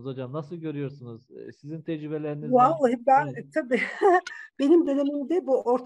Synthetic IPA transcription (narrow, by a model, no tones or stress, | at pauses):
zo̞d͡ʒamnasɯlˠɟø̞ɾyjo̞ɾsunuz̥sizint̪ʰɛd͡ʒɾibelʲeɾinizwalˠːaɦibænt̪ʰabiː | b̥e̞nimd̪ø̞nemimd̪ɛbuoɾt̪ʰ